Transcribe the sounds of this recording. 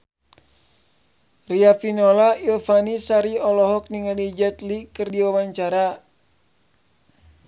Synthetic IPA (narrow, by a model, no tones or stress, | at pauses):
riafinolailfanisaɾiɔlɔɦɔk̚niŋalid͡ʒɛt̪likɨrdiwawaɲt͡ʃaɾa